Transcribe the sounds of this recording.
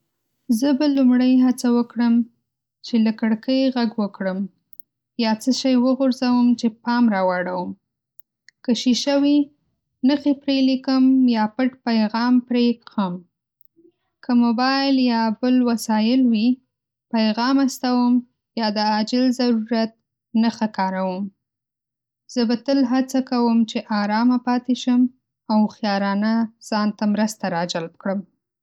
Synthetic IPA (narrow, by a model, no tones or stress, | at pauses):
zəbalumɽəjɦat͡sawəkɽəm | t͡ʃelakəɽkəjɣaɡwəkɽəm | jɑt͡səʃajwəɣʊɾzawəmt͡ʃepɑmɾɑwɑɽawəm | kəʃiʃəwi | nəxipɾelikəmjɑpəʈpajɣɑmpɾeəm | kʰəmobɑjɪljɑbəlwasɑjɪlwi | pajɣɑmast̪awəm | jɑd̪əad͡ʒɪlzaɾuɾat̪̚ | naxakɑɾawəm | z̥əbat̪əlɦat͡sakawəmt͡ʃeʔɑɾɑmapɑt̪eʃəm | awxjɑɾɑnaz̥ɑnt̪amɾəst̪aɾɑd͡ʒalb̚kɽəm